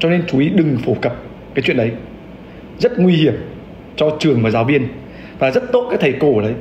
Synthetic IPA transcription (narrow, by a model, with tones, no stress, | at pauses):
t͡ɕɔ˧ne˧nt͡ɕu˨˦ʔi˨˦ɗɨ˨˩ŋfo˧˩kə˨˩p̚ | kaː˨˦jt͡ɕwḭ˧˨ənɗə˨˦j | zə˦˥t̚ŋwi˧hi˧˩əm | t͡ɕɔ˧t͡ɕɨ˨˩əŋmaː˨˩zaː˨˦wɓi˧ən | vaː˨˩zə˦˥t̚t̪o˦˥t̚aː˨˦˥kt̪ʰə˨˩jko˧˩lə˨˦j